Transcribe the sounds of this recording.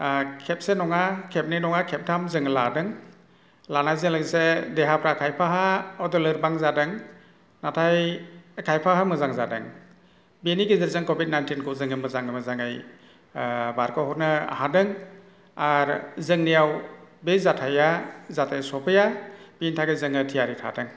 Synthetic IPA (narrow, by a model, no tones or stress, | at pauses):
kʰep̚senɔŋakʰep̚ninɔŋakʰep̚tʰamzɯŋla̰dɯŋ | lanajzɯŋlaɡisedeɦapʰɾakʰajpʰaɦaɔdɔlɯɾbaŋzadɯŋ | natʰajakʰajpʰaɦamɯzaŋzadɯ̰ŋ | beniɡizɯɾzɯŋkobit̚najntinkɔzɯŋɯmɯzaŋɯmɯzaŋɯj | baɾkɔhɔnɯa̰ɦadɯŋ | aɾzɯŋnijawbezatʰajazatʰajsɔpʰɯjab̥intʰaɡezɯŋɯtʰijaɾitʰa̰dɯŋ